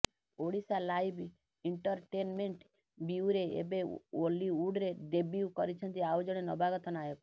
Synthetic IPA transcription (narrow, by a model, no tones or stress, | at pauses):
oɽisalajb | iɳʈɔɾʈenmeɳʈ | biuɾeḛbeoliuɖɾeɖebjukɔɾit͡ʃʰɔnt̪iawd͡ʒɔɽ̃enɔbaɡɔt̪ɔnajɔk